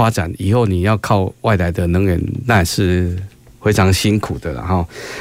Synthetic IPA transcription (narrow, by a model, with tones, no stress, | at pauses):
a˦ʈ͡ʂa̰˨˩ni˨˩ho˥˨ʊni˨˩jɑ˥˧ʊkʰɑ˥˧ʊwa˥˨ɪla˧˦ɪd̪ə˧nə˧˦ŋə˨˦nːa˥˧ʂɻ̩˥˧ | we˥ɪʈ͡ʂʰɑ˨˧˦ŋɕi˦nkʰu˨˩d̪ə˦la̰˨hɔ˥˨˩